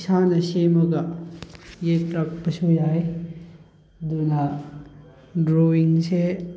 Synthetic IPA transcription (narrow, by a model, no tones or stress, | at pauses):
sanɐsemɐɡɐ | jetɾak̚pɐsujaj | duna | dɾowiŋse